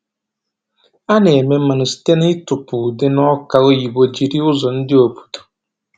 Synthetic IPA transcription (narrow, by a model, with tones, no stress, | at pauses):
a˦nɛ˨ɛ˨mɛ̃˦mã˨nʊ˨si̥˨tɛ˦n˦i˦tʊ˨pʰuː˨dɪ˦nʊ̃˦ɔ˦ka˨o˦ji˨bo˨d͡ʑi˨ɾi˦ʊ˦zʊ˨n̩˦dɪ˦o˨bu̥˨tu̥˨